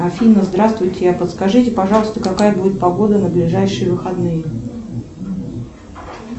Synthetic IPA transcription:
ɐfʲinəzd̪ɾast̪vʊjt̚ʲːɪjapət̪skɐʐɨtʲɪpɐʐɑlˠəst̪əkɐkajəbudʲɪt̪̚pɐɡo̞d̪ənəblʲɪʐajʂɨjəvɨxɐd̪nɨjə

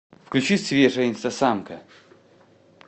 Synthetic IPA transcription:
fklʲʉt͡ɕisʲvʲeʐəjinʲst̪ɐsamkə

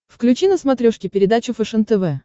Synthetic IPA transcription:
fklʲʉt͡ɕinəsmɐt̪ɾʲuʂkʲɪpʲɪɾʲɪd̪at͡ɕʊfɛʂənt̪ɛvɛ

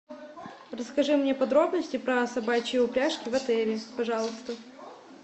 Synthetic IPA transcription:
rəskɐʐɨmnʲepɐd̪ɾo̞bnəsʲtʲɪpɾəsɐbat͡ɕɪjɪʊpɾʲaʂkʲɪvɐt̪ɛlʲɪpɐʐɑlˠəst̪ə

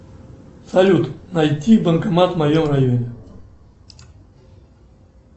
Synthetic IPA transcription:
sɐlʲut̪nɐjt̪ʲibənkɐmat̪mɐjomrajonʲɪ

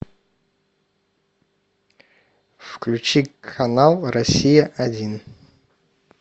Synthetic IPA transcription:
fklʲut͡ʃikʰɐnalˠrɐsʲijɐʔɐdʲin

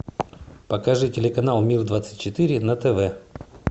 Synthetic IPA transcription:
pəkɐʐɨtʲɪlʲɪkɐnalˠmʲird̪vat̪sɨ̥t̚ʲt͡ɕɪt̪ɨɾʲɪnɐt̪ɛvɛ

